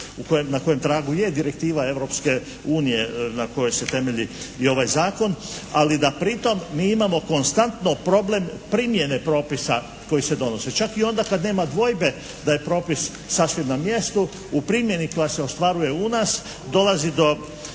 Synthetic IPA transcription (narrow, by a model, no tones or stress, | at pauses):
ukojemnako̞je̞mt̪ɾaːɡuje̞d̪iɾek̚t̪iːʋae̞ʋɾo̞pske̞ | uːnije̞nako̞jo̞jse̞t̪e̞me̞ʎiio̞ʋajzaːko̞nalid̪apɾit̪o̞mːiːimamo̞ko̞nst̪ant̪no̞pɾo̞blempɾimje̞ne̞pɾo̞ːpisa | ko̞jise̞d̪o̞no̞se̞t͡ʃakio̞nd̪akad̪ne̞ːmad̪ʋo̞jbe̞ | d̪aje̞pɾo̞ːpisːasʋeʋnamje̞st̪u | upɾimje̞niko̞jase̞o̞st̪ʋaɾuje̞unaːs | d̪o̞lazid̪o̞